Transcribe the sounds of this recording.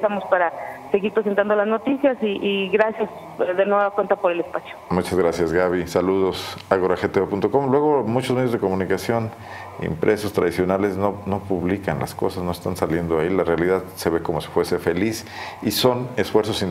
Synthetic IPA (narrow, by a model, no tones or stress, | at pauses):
samospaɾase̞ɣiɾpɾes̬ent̪and̪olazno̞t̪isjasiʔiɣɾasjas | ðenweβakwe̞nt̪apo̞ɾe̞lespasjo̥mut͡ʃazɣɾasjazɣaβisaluðo̞saɣoɾaxet̪eepunt̪o̞ko̞mlwe̞ɣ̞o̞mut͡ʃozme̞ðjozðeko̞mũnikasjo̞n | ḛmpɾʔe̞sost̪ɾað̞isjo̞nale̞zno̞no̞puβlika̰nla̰sko̞sasnoest̪ansalje̞nd̪oailarealiðaðse̞βe̞ko̞mosi̥fwese̞fe̞lis | iso̞ne̞sfwe̞ɾsosin